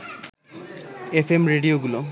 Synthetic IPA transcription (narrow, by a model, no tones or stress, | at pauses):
efemɹeɖijoɡulo